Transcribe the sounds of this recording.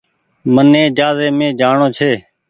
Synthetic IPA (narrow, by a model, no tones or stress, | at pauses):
mənːẽːd͡ʒaːzeːmẽːd͡ʒaːɳoːt͡ʃʰeː